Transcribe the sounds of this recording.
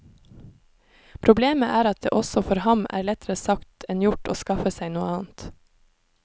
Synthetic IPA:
pʰɾʊbleːməʔæːɾɑt̪̚d̪ḛːʔɔsɔfɔɾhɑmæ̰ːɾlɛt̪ʰəɾəsɑkt̪ʰɛnjʊʈo̰ːskɑfəsæɪnuːəɑːn̩t̪

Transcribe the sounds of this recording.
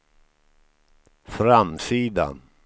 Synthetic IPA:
fɾamsiːd̪a̰n

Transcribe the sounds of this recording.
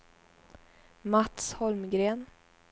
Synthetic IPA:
mat̪shɔlmɡɾeːn

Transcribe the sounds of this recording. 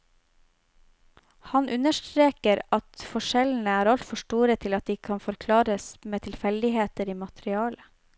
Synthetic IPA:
hɑnʔʉnəʃtɾeːkəɾɑt̪fɔʃɛln̩əæːɾɑlt̪fɔʃʈuːɾət̪ʰɪlɑt̪̚d̪iːkʰɑnfɔɾkʰlɑːɾəsmeːt̪ʰɪlfɛld̪ɪheːt̪əɾiːmɑt̪ɾɪɑːlə

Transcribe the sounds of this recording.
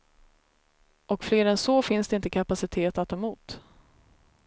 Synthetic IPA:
ɔkfleːɾɛnsɔːfɪnsd̪ɛɪnt̪əkʰapasɪt̪ʰeːt̪at̪ʰːɑːmuːt̪

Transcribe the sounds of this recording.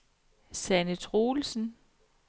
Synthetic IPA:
sænət͡sʰʁoːlsn̩

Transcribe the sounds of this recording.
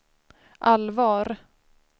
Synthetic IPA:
ʔalvɑːɾ

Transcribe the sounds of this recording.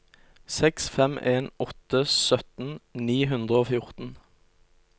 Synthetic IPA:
sɛksfɛmeːnɔt̪əsœt̪n̩niːɦʉnd̪ʁəoːfjʊʁt̪n̩

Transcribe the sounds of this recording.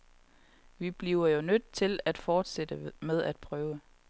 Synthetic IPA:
ʋib̥liʊɐjo̝nød̥̚t͡sʰe̝læd̥fɒːd̥sed̥əmeð̞ˠæd̥̚pʰʁœːʊə

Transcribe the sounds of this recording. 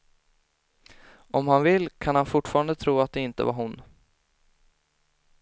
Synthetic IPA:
ʔɔmhanvɪlːkʰanhanfʊʈːfɑːɾand̪ət̪ʰɾuːat̪̚d̪ɛɪnt̪ə̰vaɾɦʊn

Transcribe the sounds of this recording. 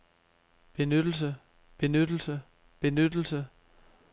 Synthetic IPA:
b̥e̝nød̥l̩sə | b̥e̝nød̥l̩sə | b̥e̝nød̥l̩sə

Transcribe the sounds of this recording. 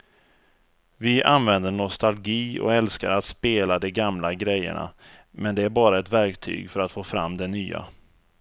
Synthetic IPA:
vɪʔanvɛnd̪əɳɔst̪alɡiːɔ̰ɛlskaɾat̪speːlad̪ɛɡamlaɡɾɛjːə̰ɳa̰ | mɛnd̪ɛæɾbɑːɾaɛt̪væɾkt̪ʰy̰ːɡfœɾat̪foːfɾa̰mːd̪ɛnyːa̰

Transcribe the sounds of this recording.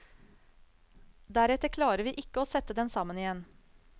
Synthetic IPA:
d̪æɾɛt̪əɾkʰlɑːɾəɾʋiːʔɪkəoːsɛt̪əd̪ɛnsɑmənɪjɛn

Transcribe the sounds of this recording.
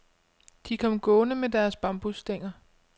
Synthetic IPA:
d̥ikʰɒ̽mɡ̥ɔ̽ːnəmed̥æɐsb̥ɑ̈mb̥usd̥eŋ̰ɐ

